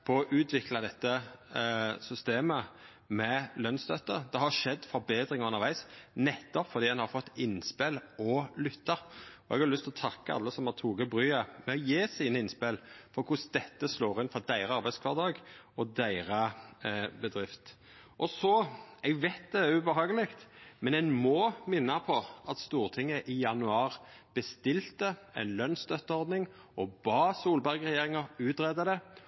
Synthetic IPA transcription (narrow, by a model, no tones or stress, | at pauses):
pʰɔɔʔʉːt̪ʰʋɪklɑd̪ɛt̪ːə | sʏst̪eːmə | mɛlœnst̪œt̪ːəd̪ɛɦɑɾʂɛd̪ːfɔɾbeːd̪ɾɪŋʉnːəɾʋæɪsnɛt̪ːɔpfɔɾd̪iːd̪ɛnhɑɾfɔt̪ːɪnspɛlɔlʏt̪ːəɔɛ̰ɡɑlʏst̪ɪlɔt̪ʰɑkːəɑ̰lːəsɔmhɑt̪ʰuːɡəbɾyːəmɛɔjeːsiːnəɪnspɪlfɔɾkʰʊsd̪ɛt̪ːəsloːɾɪnfɔɾd̪æɪɾəɑɾbæɪskʰʋɑd̪ɑːɡ | ɔd̪æɪʁə | bəd̪ɾɪft̪ | ʔɔsɔɛɡʋɛɪt̪̚d̪ɛæʉbəɦɑːɡəlɪkt̪mɛnɛɪmɔmɪnːɑpʰɔʔɑt̪st̪uːʁt̪ʰɪŋːəʔɪjɑnʉɑːʁb̥əst̪ɪlt̪əɛ̰ɪnlœnst̪œt̪ːəɔɾd̪nɪŋ | ɔbɑːsuːlbæɾɡʁɛjeːɾɪŋəʁʉːt̪ɾɛd̪əd̪ɛ